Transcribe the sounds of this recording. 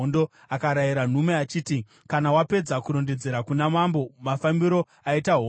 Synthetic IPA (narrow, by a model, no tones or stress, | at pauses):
ndo̞ | akaɾajiɾan̤umeat͡ʃiːti | kanawape̞d͡zakuɾo̞nde̞d͡ze̞ɾakunamambo̞mafambiɾo̞ | aitaɦo